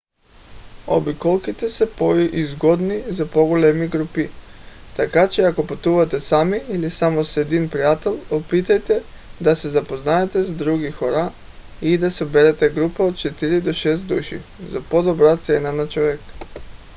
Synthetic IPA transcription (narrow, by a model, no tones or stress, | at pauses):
o̰bikɔlˠkit̪ɛsɛpoʔizɡɔd̪nizapoɡolɛmiɡɾupit̪akat͡ʃɛakopat̪uvat̪ɛsamiːlisamosɛd̪inpɾijat̪ɛlˠopit̪ajt̪ɛ | d̪asɛzapoznaɛt̪ɛzad̪ɾuɡixoɾa | id̪asɛbɛɾɛt̪ɛɡɾupaot̪̚t͡ʃɛt̪iɾid̪oʃɛs̬t̪d̪uʃḭzapod̪ɔbɾat̪sɛnanat͡ʃɔvɛk